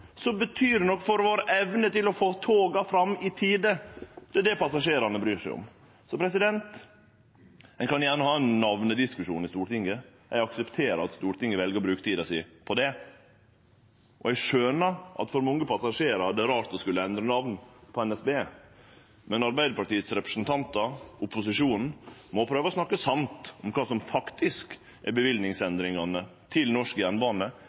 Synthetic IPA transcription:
sɔbət̪ʰyːɾɛnɔkːfɔɾʋoːɾəʔɛʋnət̪ɪlɔfoːt̪ʰoːɡɑfɾɑmːɪt̪ʰiːd̪əd̪̥ɛd̪ɛpʰɑsɑʂeːɾɑnəbɾyːʂɛɪʊ̰m | sɔpʰɾɛs̬ɪd̪ɛnt̪ | hɛkɑnjæːɳəhɑːɛnnːɑʋnəd̪ɪskʉʂṵːnɪst̪uːɾʈ̪ɪŋːə | æ̰ɪɡɑksɛpt̪ʰeːɾəɑ̰t̪st̪uːɾt̪ɪŋːəʋɛlɡəɾbɾʉːkt̪ʰiːd̪ɑsɪpʰɔd̪ɛ | ʔɔɛɡʂøːnəɾʔɑ̰t̪fɔɾmɔŋːəpʰɑsɑʂeːɾɑd̪ɛɾɑːɾt̪ɔskʉlːəɛnd̪ɾənɑʋnpʰɔɛnɛsbeː | mɛnɑɾbæɪd̪əpʰɑʈiːət̪sɾɛpɾəsnt̪ʰɑnt̪ɑʊpːʊsɪʂuːnn̩mɔpʰɾøːʋəɔsnɑkːəsɑmt̪ɔmkʰɑːsɔmfɑkt̪ɪsk | ʔɛbəʋɪlnɪŋsɛnd̪ɾɪŋɑnət̪ʰɪlnɔʂkəjænbɑːnə

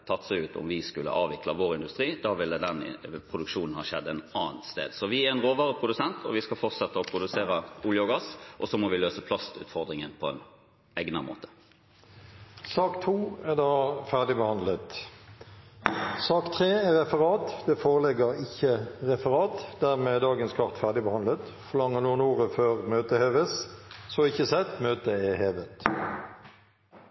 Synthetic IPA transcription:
t̪ʰɑt̪ːsɛɪʉːt̪ɔ̰mʋɪskʉlːə̰ʔɑːʋɪklɑʋoːʁɪnd̪ʉst̪ʁiːd̪ɑːʋɪlːəd̪ɛn̰pʰʁʊd̪ʉkʂuːnn̩hɑʃɛd̪ːəɛnɑːnt̪st̪ḛːd̪sɔʋɪæʁɛnʁoːʋɑʁəpʰʁʊd̪ʉsɛnt̪ʰɔ̰ʋɪskɑlfɔʁt̪sɛt̪ːəɔpʰɾʊd̪ʉseːʁɑʊljɔɡɑsʔɔsɔmɔʋɪløːsəpʰlɑst̪ʉ̰ːt̪fɔʁd̪ʁɪŋənpʰɔɛ̰n | ɛɡnɑmo̰ːt̪ə̥ | sɑːkt̪ʰuːæʁd̪ɑːfæʁɖɪbəhɑnd̪lət̪ | sɑːkt̪ʰʁeːɛʁɛfəʁɑːt̪d̪̥ɛːfoːʁəlɛɡəʁɪçəʁɛfəʁɑːt̪d̪æʁmɛd̪ɑːɡənskʰɑʁt̪fæʁɖɪbəhɑnlət̪ | fɔlɑŋːəʁnuːnoːʁəføːʁmøːt̪əheːʋəssɔɪçəsɛt̪møːt̪əɛheːʋət̪

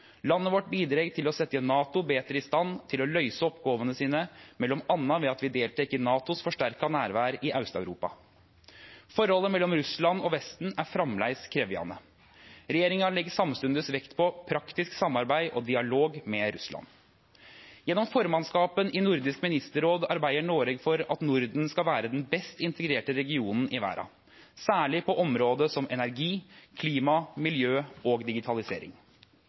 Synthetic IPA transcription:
lɑnːəʋɔʈbiːd̪ɾeːɡt̪ʰɪlɔsɛt̪ːənːɑːt̪ʊbeːt̪ɾəɪst̪ɑnt̪ʰɪlɔlœʏsəɔpɡoːʋənəsiːnəmɛlːɔmɑnːɑʋɛɑt̪ʋɪd̪eːlt̪ʰɛkːənɑːt̪ʊsfɔʂʈæɾkɑnæːɾʋæːɾʔɪʔɑʉst̪ɑʉɾṵːpɑ̰ | fɔɾhɔlːəmɛlːɔmɾʉslɑnɔʋɛst̪n̩æɾfɾɑmlæ̰ɪskʰɾeːʋɪɑ̰nə | ɾɛjeːɾɪŋɑɭɛɡːəsɑmst̪ʉnd̪əsʋɛkt̪pʰɔpʰɾɑkt̪ɪsksɑmːɑɾbæɪʔɔd̪ɪɑloːɡmɛɾʉslɑ̰n | jɛnːɔmfɔɾmɑnskɑːpənʔɪnʊɾd̪ɪskmɪnɪst̪əɾoːd̪ɑɾbæɪəɳoːɾɛɡfɔɾɑ̰t̪nʊɾd̪n̩skɑlʋæːɾəd̪ɛnbɛst̪ɪnt̪əɡɾeːʈəɾɛɡɪuːnn̩ɪʋæ̰ːɾɑ̰ | sæːɭɪpʰɔʔɔmɾoːd̪əsɔmɛnæɾɡiːkʰliːmɑmɪljøːɔɡd̪ɪɡɪt̪ʰɑlɪsḛːɾɪ̰ŋ

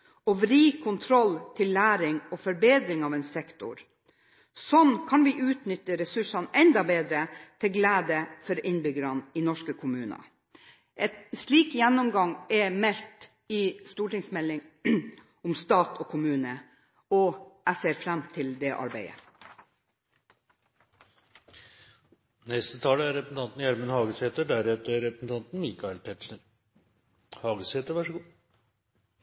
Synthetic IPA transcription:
ɔʋɾiːkʰʊnt̪ʰɾɔlt̪ʰɪlːæːɾɪŋɔfɔɾbeːd̪ɾɪŋɑːʋɛnsɛkt̪ʊ̰ɾ | sɔnkʰɑnʋɪʔʉːt̪nʏt̪ːəɾɛsʉʂɑnʔɛnd̪ɑbeːd̪ɾət̪ʰɪlɡlæːd̪əfɔɾɪnbʏɡəɾɑnɪnɔʂkəkʰʊmʉːnɑ̰ | ʔɛt̪ʂɭiːkjɛnːɔmɡɑŋɛmɛlt̪ | ɪst̪uːʈɪŋsmɛlːɪŋ | ʊmst̪ɑːt̪ʰɔːkʰʊmʉːnə | ɔæɪseːɾfɾæmt̪ʰɪld̪ɛʔɑ̰ɾbæɪə̰ | nɛst̪ət̪ʰɑːləæɾɛpɾəsn̩t̪ɑnt̪n̩jæɾmənhɑːɡəsheːt̪əɖæɾɛt̪əɾɾɛpɾəsn̩t̪ʰɑnt̪n̩miːkɑɛlp̪ʰɛt̪ʂəɾ | hɑːɡəsheːt̪əɾʋæʂəɡuː

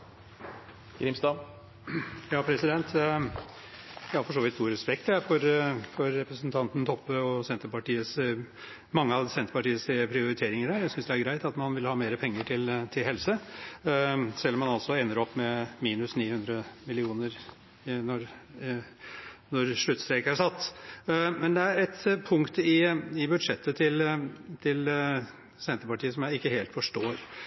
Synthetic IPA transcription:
ɡ̥ɾɪmst̪ɑ | jɑːpʰɾɛsɪd̪ɛnt̪ | jɑːfɔʂoːʋɪt̪st̪uːɾɛspɛk̚t̪æɾfɔɾfɔɾːɛpɾəsnt̪ʰɑnt̪n̩t̪ʰɔpːəɔsɛnt̪əɾpɑʈiːəs | mɑŋːəɑʋsɛnt̪əpɑʈiːəspʰɾɪʊɾɪt̪ʰeːɾɪŋəɾhæːɾjæɪsʏnsd̪ɛæɾɡɾæɪt̪ɑt̪mɑnʋɪlhɑːmeːɾəpʰɛŋːəʈʰɪlt̪ʰɪlɦɛlsə | sɛlːɔmːɑnɑlsɔɛnːəɾɔpːmɛmiːnʉsniːhʉnd̪ɾəmɪlɪuːnəɾ | nɔɾ | nɔɾʂɭʉt̪ːst̪ɾeːkəæʂɑt̪ː | mɛnd̪ɛæɾɛt̪pʰʊŋkt̪ɪɪbʉd̪ʂɛt̪ʰːət̪ʰɪlt̪ʰɪl | sɛnt̪əpɑʈiːəsɔmjæɪɪkːəheːlt̪fɔʂʈoːɾ

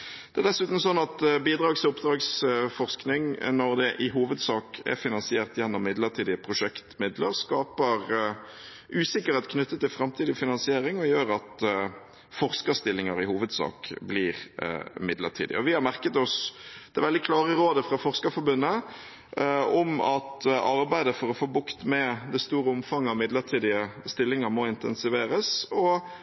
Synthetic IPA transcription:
d̪̥ɛæʁd̪ɛsʉːt̪n̩sɔnːɑt̪biːd̪ɾɑːɡtsʊpd̪ɾɑːɡsfɔʁsknɪŋnɔʁd̪ɛʔɪɦuːʋəd̪sɑːkɛ̰fɪnɑnsɪeːʁt̪jɛnːɔmːɪd̪ləʁt̪ʰiːd̪ɪpʰɾʊʂɛkt̪mɪd̪lə̰ɾskɑːpəʁ | ʔʉːsɪkːəɾɛt̪̚kʰnʉt̪ːət̪ːɪlfɾɑmt̪ʰiːd̪ɪfɪnɑnsɪeːɾɪŋɔjøːʁɑt̪ | fɔʁskəst̪ɪlːɪŋəɾɪhuːʋəd̪sɑ̰ːkbliːʁɪ̰mɪd̪lə̰t̪ʰḭːd̪ɪ̰ɔʋɪhɑɾmæʁkət̪ɔsd̪̥ɛʋɛld̪ɪkʰlɑːʁəɾoːd̪əfɾɑfɔʁskəfɔɾbʉnːə | ɔmɑt̪ɑɾbæɪd̪əfɔɾɔfoːbʊkt̪mɛd̪ɛst̪uːɾəʊmfɑŋːəɑmɪd̪ləɾt̪ʰiːd̪ɪəst̪ɪlːɪŋəɾmɔɪnt̪ɛ̰nsɪʋeːɾəsɔ

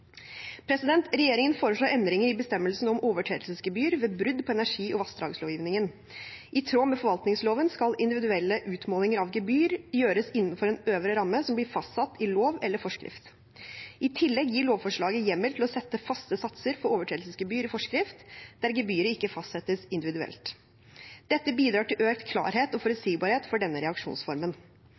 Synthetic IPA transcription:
pʰɾɛsɪd̪ɛnt̪ɾɛjeːɾɪŋənfoːɾəʂɭoːɾʔɛnd̪ɾɪŋəɾɪbəst̪ɛmːəlsn̩ɔmoːʋəʈʰeːd̪lsəsɡəbyːəɾʋeːbɾʉd̪pʰɔɛnæʂiːʔɔʋɑst̪d̪ɾɑ̰ːɡəsloːʋjiːʋnɪŋən | ʔɪt̪ʰɾoːmɛfɔɾʋɑlt̪nɪŋsloːʋənskɑlɪnd̪ɪʋɪd̪ʉɛlːəʔʉːt̪moːlɪŋəɾɑʋɡəbyːɾjøːɾəsɪnːnfɔɾɛnøːʋɾəɾɑmːəsɔmblɪɾfɑst̪sɑt̪ːɪloːʋɛlːəɾfɔʂkɾɪ̰ft̪ | ʔɪt̪ʰɪlːɛɡjiːɭoːʋfɔʂɭɑːɡəjɛmːəlt̪ʰɪlɔsɛt̪ːəfɑst̪əsɑt̪səɾfɔɾoːʋəʈʰɾeːd̪lsəsɡɛbyːɾɪfɔʂkɾɪft̪d̪æɾɡɛbyːəɾəɪkːəfɑst̪sɛt̪ːəsɪnd̪ɪʋɪd̪ʉɛ̰lt̪ | d̪̥ɛt̪ːəbiːd̪ɾɑːʈɪlʔøːkt̪kʰlɑ̰ːɾheːt̪ɔfɔɾʉt̪siːɡbɑːɾheːt̪fɔɖɛnːəɾɛɑkʂṵːnsfɔɾmən

